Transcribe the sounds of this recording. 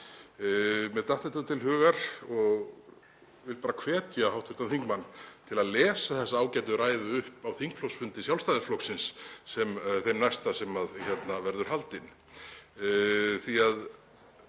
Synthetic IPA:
mɛðt̪aht̪ɛht̪at̪ʰɪlɦʏːɣaɾ̥ɔɣ | vɪlpaːɾakʰvɛːt̪jahawht̪ʰɪht̪anθiŋkmanːt̪ʰɪlaðlɛːsaθɛsːaaːwcajt̪̬ʏɾaːjðʏʏhpawθiŋkflowsfʏnt̪ɪsjawlst̪aðɪflɔwksɪnsːɛmθejmnajst̪asɛmaðçjɛt̪navɛɾðʏɾ̥ɦalt̪ɪn | θiað

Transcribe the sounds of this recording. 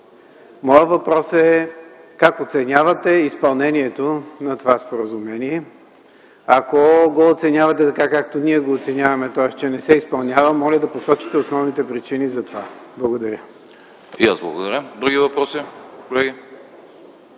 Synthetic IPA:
mɔjət̪vɐpɾɔsɛkakot̪sɛnʲavɐt̪ɛispɐlˠnɛniɛt̪onɐt̪ovaspoɾəzʊmɛniɛ | ɐkoɡoːt̪sɛnʲavɐt̪ɛt̪ɐkakak̚t̪oniɛɡoːt̪sɛnʲjavɐmɛt̪ɔɛst͡ʃɛnɛsɛispɐlˠnʲjavɐmɔlʲəd̪ɐposɔt͡ʃi̥t̪ɛosnɔvnit̪ɛpɾit͡ʃinizɐt̪ovablˠɐɡod̪ɐɾʲə | ija̰zblˠɐ̰ɡod̪ɐɾʲəd̪ɾuɡivɐpɾɔsikolɛɡʲi

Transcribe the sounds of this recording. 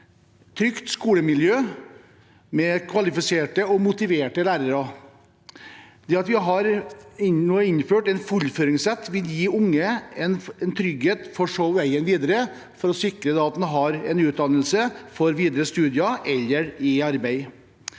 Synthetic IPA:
t̪ʰɾʏkt̪skuːləmɪljøː | mɛkʰʋɑlɪfɪseːʈəɔmʊt̪ɪʋeːʈəlæːɾəɾɑ | d̪̥ɛːɑt̪ʋɪɦɑɾɪnoːɪnføːʈɛnfʊlføːɾɪŋsɛt̪ːʋɪljiːʊŋːəɛnɛnt̪ʰɾʏɡheːt̪fɔʂoːʋæɪənʋiːd̪əɾə | fɔɾɔsɪkɾəd̪ɛɑt̪n̩ɦɑɾɛnʉːt̪̚d̪ɑnəlsəfɔɾʋiːd̪əɾəst̪ʉːd̪ɪɑʔɛlːəɾɪɑɾbæɪ

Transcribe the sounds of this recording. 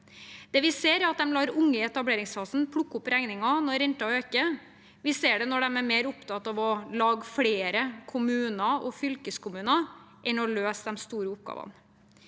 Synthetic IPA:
d̪̥ɛːʋɪseːɾɑt̪̚d̪ɛmlɑːɾʊŋːəɛt̪ɑbleːɾɪŋskɑsn̩pʰɽʊkːʊpɾæŋnɪŋɑnɔɾɛnt̪ɑɔøːkə | ʋɪseːɖɛnɔɖɛmæɾmeːɾʊpt̪ɑt̪ɑʋɔlɑːɡfɽeːɾəkʰʊmʉːnɑʔɔfʏlkəskʰʊmʉːnɑʔɛnɔløːsd̪ɛmst̪uːɾəʊp̚ɡɑ̰ːʋɑ̰n

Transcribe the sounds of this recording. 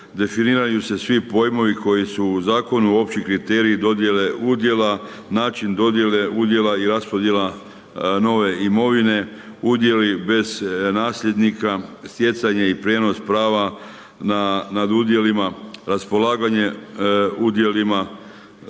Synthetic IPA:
d̪e̞finiːɾajuse̞sʋipo̞jmo̞ʋiko̞jisuːzaːko̞nuo̞pt͡ɕikɾit̪e̞ːɾiːd̪o̞d̪je̞le̞ʔud̪je̞la | naːt͡ʃind̪o̞d̪jeleud̪je̞laiɾaspo̞d̪je̞la | no̞ʋe̞imo̞ʋine̞ | ud̪je̞libe̞z̥naːslʎʲe̞d̪nikast̪je̞t̪saɲeipɾje̞ːno̞spɾaːʋa | nanad̪ud̪je̞limaɾaspo̞laːɡaɲe̞ | ud̪je̞lima

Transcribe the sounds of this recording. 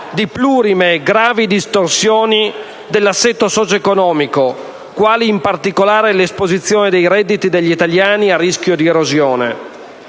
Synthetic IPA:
d̪ipluːɾimeɡɾaːvid̪ist̪orsjoːni | d̪elːasːɛt̪ːosɔt͡ʃoekonɔːmiko | kwaːliːmpart̪ikolaːɾelespozit̪sːjoːned̪ejɾɛd̪ːit̪id̪eʎːit̪aljaːniarːisk̟jod̪ieɾozjoːnḛ

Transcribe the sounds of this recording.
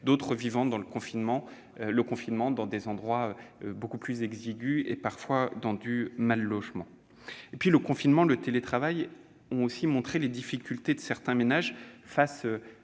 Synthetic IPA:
d̪ot̪χəvivɑ̃d̪ɑ̃ləkɔ̃finmɑ̃ | ləkɔ̃finmɑ̃d̪ɑ̃d̪ezɑ̃d̪ʁwaøbokuplyzɛɡziɡʲyḛpaʁfwad̪ɑ̃d̪ymalːɔʒmɑ̃ | epɥiləkɔ̃finmɑ̃lət̪elet̪χavaj | ɔ̃osimɔ̃t̪χeled̪ifikʲylt̪ed̪əsɛʁt̪ɛ̃menaʒfasø

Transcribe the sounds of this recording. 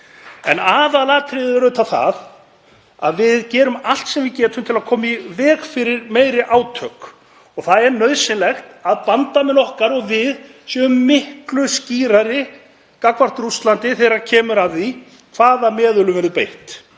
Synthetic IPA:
ɛ̰naːðalat̪ʰɾɪðʏɛɾʏt̪ʰaθa̰ð | a̰ðvɪðcɛːɾʏmal̥t̪sɛmvɪðcɛːt̪ʏmt̪ʰɪlaðkʰɔːmaivɛːɣfɪɾɪɾmeːjɾɪʔaːwt̪ʰœk | ɔɣθaðɛɾnœɥðsɪnlɛxt̪aðpant̪amɛnɔhkaɾɔɣvɪðsjœʏmːɪhklʏsciːɾaɾɪ | kakvar̥t̪ɾust̪lant̪ɪθɛɾaɾcʰɛːmʏɾaði | kʰv̥aːðamɛːðʏlʏmvɛɾɪðpejht̪

